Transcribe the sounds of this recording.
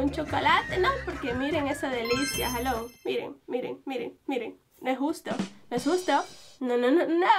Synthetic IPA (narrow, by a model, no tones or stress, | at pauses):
unt͡ʃokolat̪enopoɾkemiɾeŋesaðelisja̰xaloŋmiɾḛŋmiɾḛŋmiɾeŋmiɾḛŋ | noesust̪onoesxust̪onononono